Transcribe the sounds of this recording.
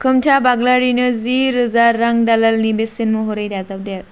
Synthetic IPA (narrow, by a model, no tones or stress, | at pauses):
kʰɯmtʰabaɡlaɾinɯziɾɯzaɾːaŋdalɐlnibesinmuɦoɾɐjdazab̚de